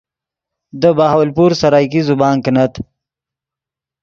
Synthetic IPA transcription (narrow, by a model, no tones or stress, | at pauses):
d̪əbaːɦawalpuɾsaɾaːjkizubɑːŋknat̪